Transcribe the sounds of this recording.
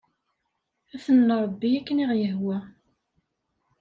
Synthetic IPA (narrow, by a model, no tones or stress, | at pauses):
æθənːʊɾˤɑbːiækːəniʁjəɦwæ